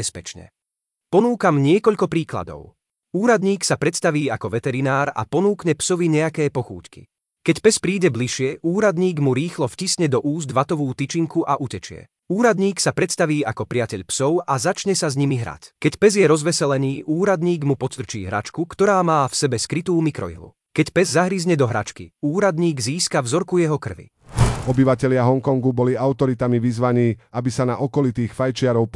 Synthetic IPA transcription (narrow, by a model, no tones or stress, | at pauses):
ɛspɛt͡ʃɲɛ̰ | pɔnuːkamɲɪɛkɔʎkɔpɾiːkla̰d̪ɔ̰ʊ | uːɾad̪ɲiːksapɾɛt̪st̪aʋiːakɔʋɛt̪ɛɾinaːɾa̰pɔnuːkɲɛpsɔʋiɲɛakɛːpɔxṵːcki̥̰ | kɛcpɛspɾiːɟɛbliʃɪɛʔuːɾad̪ɲiːɡmuɾiːxlɔfcisɲɛd̪ɔʔuːzd̪ʋat̪ɔʋuːt̪it͡ʃiŋkuʔaʔucɛt͡ʃɪɛ̰ | uːɾad̪ɲiːksapɾɛt̪st̪aʋiːakɔpɾɪacɛʎpsɔʊʔazat͡ʃɲɛsazɲimiɦɾa̰ckɛcpɛzjɛɾɔzʋɛsɛlɛniːʔuːɾad̪ɲiːɡmupɔt͡st̪r̩t͡ʃḭːɦɾa̰t͡ʃkukt̪ɔɾaːmaːfsɛbɛskɾit̪uːmikɾɔ̰ḭɦlṵ | kɛcpɛzːaɦɾizɲɛd̪ɔɦɾa̰t͡ʃkḭuːɾad̪ɲiːɡziːskavzɔɾkujɛɦɔkr̩ʋḭ | ɔbiʋacɛʎɪaɦɔŋkɔŋɡubɔliaʊt̪ɔɾit̪amiʋizʋaɲiːabisanaʔɔkɔlit̪iːxfajt͡ʃɪaɾɔʊp